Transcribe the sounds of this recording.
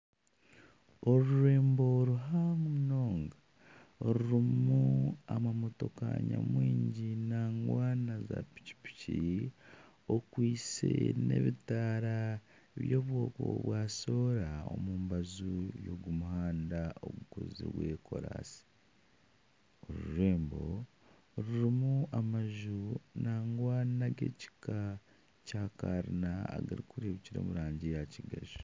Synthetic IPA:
o̞ɾuɾe̞ːmbo̞ɾuɦamuno̞ːŋɡa | oɾuɾimuamamo̞tokaɲamwiːɲɟinaŋɡwaːnazapi̥ci̥pi̥ci | okwiːsene̞̰βitaɾa | βjoːβwo̞ːkoβwaːso̞ːɾao̞̰muːmbazujoɡumuhaːndao̰ɡuko̞̰zḭweːkʰo̞̰ɾa̰si̥ | oɾuɾeːmbo̞ | ɾuɾimuamaʒunaːŋɡwaːnaɡḛci̥ka | caːkaɾinaa̰ɡa̰ɾikuɾeβiciɾo̰ːmuɾaːɲɟijaciɡaʒ

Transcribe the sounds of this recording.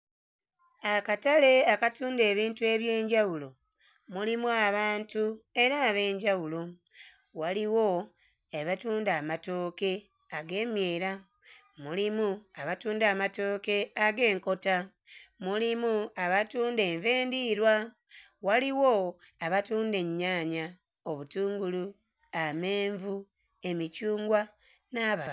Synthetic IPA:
akatale̞akatuːnde̞ːβiːntue̞ːβjeːɲɟawulo | mulimuaβaːntue̞ɾaːβe̞ːɲɟawulo | waliwo̞ | eβatuːndaːmato̞ːke̞ | aɡe̞ːmje̞ːɾa | mulimuaβatuːndaːmato̞ːke̞aɡe̞ːŋko̞ta | mulimuaβatuːnde̞ːɱveːndiɾwa | waliwo | aβatuːnde̞ɲːaːɲa | o̞βutuːŋɡulu | ameːɱvu | e̞micuːŋɡwa | naβa

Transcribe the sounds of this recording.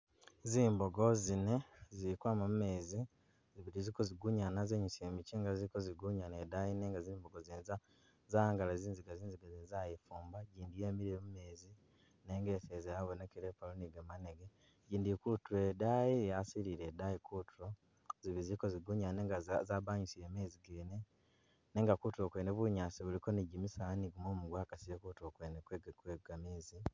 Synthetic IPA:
ziːmboɡo̞zine̞ziikwaːmamume̞ːzi | ziβiɾizikoziɡuɲanazeɲusemiciŋɡazikoziɡuɲanedajineŋɡazimboɡozineza | zaaŋɡalaziːnziɡaziːnziɡazizajefuːmbaɟiːndijeːmiɾiimume̞ːzi | ne̞ːŋɡe̞θezejaβonekeɾepaluniɡemaneɡe | ɟiːndikutuɾedajijasiliɾedajikutuɾo | ziβizikoziɡuɲaneːŋɡazabaɲisiɾeːmeziɡeːne | ne̞ːŋɡakutuɾokweːneβwuɲaːsiβulikoniɟimisaniɡumoːmuɡwaːkasijekutuokwenekweɡkweɡameːzi

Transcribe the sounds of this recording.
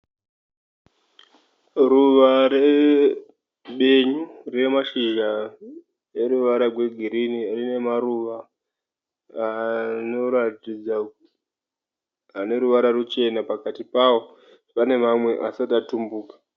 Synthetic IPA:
ruʋaɾe | ɓe̞ɲure̞maʃiʒa | je̞ɾuʋaɾarwe̞ɡʱiɾinirine̞maɾuʋa | ano̞ɾatid͡za | ane̞ɾuʋaɾarut͡ʃe̞napakatipawo̞ | pane̞mamwe̞ʔasatatumbuːkḁ

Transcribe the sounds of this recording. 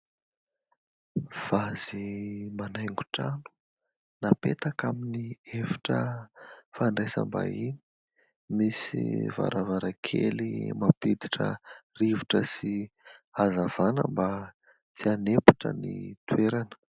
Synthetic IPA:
v̥azimanajŋɡu̥ʈ͡ʂanu̥ | napet̪akaminiefi̥ʈ͡ʂə | faɳɖ͡ʐesa̰mba̰ini̥ | misḭva̰ɾʔavaɾakʰḛlimapid̪iʈ͡ʂə̰riviʈ͡ʂəsiazavanəmba | t͡sianepu̥ʈ͡ʂə̰nḭt̪ueɾanə̥

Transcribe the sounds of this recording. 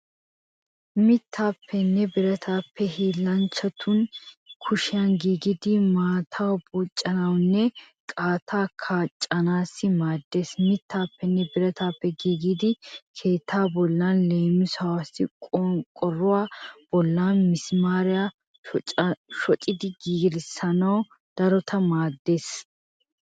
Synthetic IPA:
mɪt̪ʰːaːpʰːɛnːɛbɪɾɐt̪ʰaːpːɛɦiːlːɐnt͡ʃːɐt̪ʰʊnkʰʊʃɪjanɡiːɡɪd̪ɪmaːt̪ʰɐwbuːt͡ʃʼːɐnɐwnːɛ | kʼaːt̪ʰaːkʰaːt͡ʃʼːɐnaːsːɪmaːd̪ːe̞ːsmɪt̪ʰːaːpːɛnːɛbɪɾɐt̪aːpːɛɡiːɡɪd̪ɪkʰe̞ːt̪ʰːaːbɔlːanle̞ːmɪsɐwasɪkʼkʼɔrːʊwaːb̥ɔlːaːnmɪsmaːɾɪja | ʃɔt͡ʃʼɪd̪ɪɡiːɡɾɪsɐnɐw | d̪̥ɐɾɔt̪ʰɐmaːd̪ːe̞ːs

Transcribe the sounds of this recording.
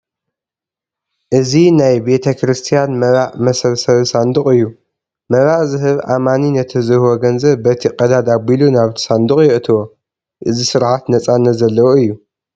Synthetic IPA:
ʔɨzinajbe̞t̪ʰɐkɾɨst̪ʰijanmɐɾaʕmɐsɐβsɐβsand̪uqʼɨjːu | mɐβaʕzɨɦɨβʔamaninɐt̪ʰɨzɨhɨwoɡɐnzɐβbɐt̪ʰiqʼɐd̪ad̪abilunaβt̪ʰi̥sand̪uχʼjɪʔt̪ʰɨwo | ʔɨzisɨɾʕat̪nɐt͡sʼanːɐt̪zɐlːɐwoɨjːu

